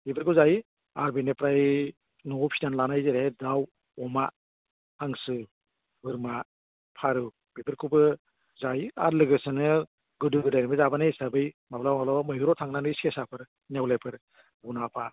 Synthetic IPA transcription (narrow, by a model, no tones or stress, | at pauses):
bibɯɾkʰɯwzaj | aɾbenepɾaj | nɔpʰidanlanajziɾehedaw | ɔma | aŋsɯ | bɯɾma | pʰaɾɯ | bibɯɾkʰubɯ | zaja̰ɾlɯɡɯsanɯ | ɡɯdɯɡɯdajnimbɯzabanesabɯjmablawmablamɯjɡɯɾɔtʰaŋnanɯiskesapʰɯɾ | newlajpʰɯɾ | bunapʰa